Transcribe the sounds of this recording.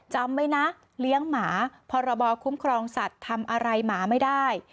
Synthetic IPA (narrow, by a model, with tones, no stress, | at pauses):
t͡ɕa˧mːa˦˥jna˦˥ʔ | li˦˥əŋmaː˩˦pʰɔː˧ɾa˧bɔː˧kʰu˦˥mkʰɾɔː˧ŋsa˨˩t̪ʰːa˧mʔa˧ɾa˧jmaː˩˦ma˥˩jdaː˥˩j